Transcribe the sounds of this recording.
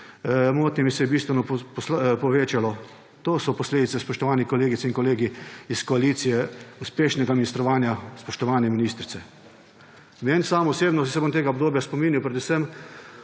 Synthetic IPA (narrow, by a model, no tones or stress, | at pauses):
moːt̪nʲimisɛjɛbiːst̪ʋɛnɔppspɔʋeːt͡ʃalɔ | t̪oːsɔpɔsleːd̪it̪sɛspɔʃt̪ɔʋaːnikɔleːɡitsinkɔleːɡiiskɔaliːt̪sijɛuspeːʃnɛɡaminist̪ɾɔʋaːnjaspɔʃt̪ɔʋaːnjɛminiːst̪ɾit̪sɛ | meːnsaːmɔseːbnɔsɛbomt̪eːɡaɔbd̪oːbjaspɔmiːniwpɾɛd̪usəm